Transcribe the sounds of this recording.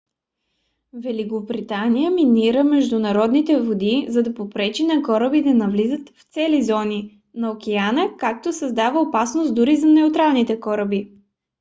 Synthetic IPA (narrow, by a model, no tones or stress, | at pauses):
vɛlikobɾit̪anijəminiɾəmɛʒd̪ʊnɐɾɔd̪nit̪ɛvod̪izɐd̪ɐpopɾɛt͡ʃinɐkɔɾəbid̪ɐnɐvlizət̪ft̪sɛlizɔni | nɐokɛanəkak̚t̪osəzd̪avəopasnosd̪ʊɾizɐnɛʊt̪ɾalˠnit̪ɛkɔɾəbi